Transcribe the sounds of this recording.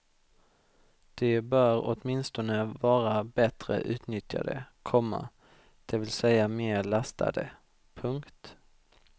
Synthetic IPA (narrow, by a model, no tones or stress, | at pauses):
d̪̥ɛbœɾɔt̪mɪnst̪ɔnəvɑːɾabɛt̪ɾə̰ʔʉ̟̰ːt̪nʏt̪ja̰d̪ə̰kʰɔmːa̰ | d̪̥ɛvɪlsɛjameːɾɭast̪ʰa̰d̪ə | pʰɵŋkt̪